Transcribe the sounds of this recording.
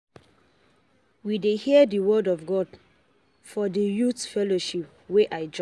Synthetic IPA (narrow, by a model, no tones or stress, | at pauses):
widehiədəwɜdɔvɡɔd | fɔdəjutfɛloʃip̚ | weʔaɪd͡ʒ